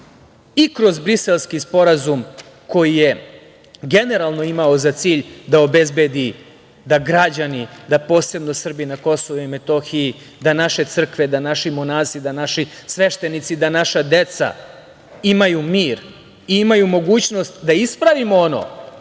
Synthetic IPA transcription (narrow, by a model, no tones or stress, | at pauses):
ikɾo̞zbɾise̞lˠskispo̞ɾazum | ko̞jije̞ | ɡe̞ne̞ɾalˠno̞imaozat̪siːʎd̪ao̞be̞zbe̞d̪i | d̪aɡɾad͡ʑanid̪apo̞ːse̞bno̞sr̩binako̞so̞ʋoime̞t̪oxii | d̪anaʃe̞t̪sr̩kʋe̞d̪anaʃimonaːzid̪anaʃisʋe̞ʃt̪e̞nit̪sid̪anaʃad̪e̞t̪sa̰ | imajumiːɾ | iimajumo̞ɡuːt͡ɕno̞st̪d̪aispɾaʋimoono̞̰